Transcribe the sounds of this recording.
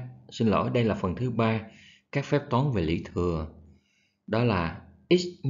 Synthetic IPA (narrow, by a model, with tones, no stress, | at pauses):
sï˧n̟lə̰˧˩˦jɗə˧jlaː˨˩fə˨˩nt̪ʰɨ˨˦ɓaː˧ | kaː˦˥k̚fɛ˦˥p̚t̪wɔː˨˦nve˨˩lḭ˧˩t̪ʰɨ˨˩ə | ɗɔ˨˦laː˨˩ʔi˦˥t̚m